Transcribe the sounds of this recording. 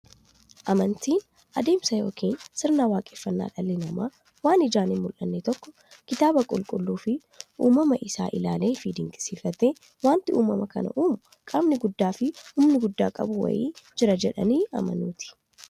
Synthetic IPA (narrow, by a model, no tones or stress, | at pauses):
ʔɐmɐnt̪iːn | ʔɐd̪e̞ːmsɐjo̞̰ːkʰiːnsɪɾnaːwaːkʼeːfːɐnːa̰ːᶑɐlːɪnɐmaː | waːnɪd͡ʒaːnɪmʊlʔɐnːet̪ɔkːɔ̥ | kɪt̪aːbɐkʼʊlkʼʊlːuːfɪ | ʔuːmɐmɐʔɪsa̰ːʔɪlaːleːfid̪ɪŋkʼɪ̥siːfɐt̪eː | waːnt̪ɪuːmɐmɐkɐnɐ̰ʔuːmʊ | kʼaːbnɪɡʊd̪ːaːfɪhʊmnɪɡʊd̪ːa̰ːkʼɐ̰bʊwɐ̰jḭːd͡ʒɪɾɐd͡ʒɛᶑɐ̰niːɐ̰mɐ̰nuːt̪ɪ̥